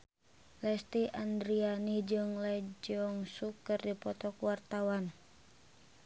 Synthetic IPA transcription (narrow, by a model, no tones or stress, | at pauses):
lɛst̪iʔandɾianid͡ʒɨŋlɛd͡ʒɔŋsukɨrdipɔt̪ɔkwart̪awan